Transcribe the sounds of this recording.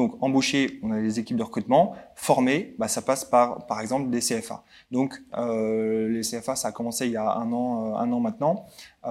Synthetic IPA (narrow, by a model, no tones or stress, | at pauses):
d̪ɔ̃kɑ̃boʃeɔ̃nad̪lezekʲip̚d̪əʁəkχyt̪mɑ̃fɔʁmebasapaspaʁpaʁɛɡzɑ̃pld̪eseɛfa̰ | d̪ɔ̃køleseɛfasaːkɔmɑ̃seiljaɛ̰̃nɑ̃øɛ̰̃nɑ̃mɛ̃t̪nɑ̃